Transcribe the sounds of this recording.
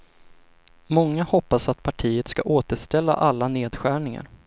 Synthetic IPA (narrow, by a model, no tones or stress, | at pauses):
mɔŋːahɔpːasat̪pʰaʈʰiːət̪ska̰ʔoːt̪əʂt̪ɛlːa̰ʔalːaneːd̪ɧæːɳɪŋa̰ɾ